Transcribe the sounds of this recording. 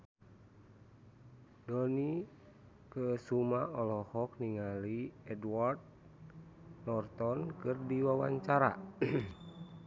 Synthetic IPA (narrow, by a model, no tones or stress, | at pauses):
dɔni | kəsumaɔlɔhɔk̚niŋaliɛdwart̪̚ | nɔrt̪ɔnkɨrdiwawa̰ɲt͡ʃaɾa̰